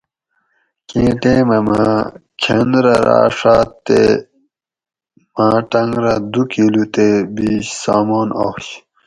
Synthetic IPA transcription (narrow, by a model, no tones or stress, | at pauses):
kẽːʈẽːmɐmã | t͡ɕʰɐnd̪ɾɐɾa̰ːʂaːt̪ːḛ | mãːʈɐŋɡɾɐd̪ukʰilut̪ebiːɕsaːmoːnoːɕ